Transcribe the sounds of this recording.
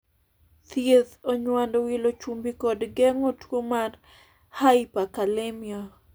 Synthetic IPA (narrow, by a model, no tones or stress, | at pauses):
t̪jeðoɲwandowilot͡ʃumbikodɡɛŋotwomar | haipakalemia